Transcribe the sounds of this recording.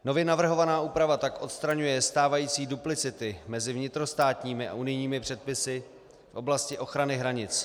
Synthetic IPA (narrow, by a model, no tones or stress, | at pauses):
no̞vjɛnavr̩ɦo̞vanaːʔuːpɾavat̪akʔo̞t̪st̪ɾaɲujɛst̪aːvajiːt͡siːduplɪt͡sɪt̪ɪmɛzɪvɲɪt̪ɾo̞st̪aːt̪ɲiːmɪa̰unɪjɲiːmɪpr̝̥ɛt̪̚pɪsɪ | fʔo̞blascɪʔo̞xɾanɪɦɾaɲɪt͡s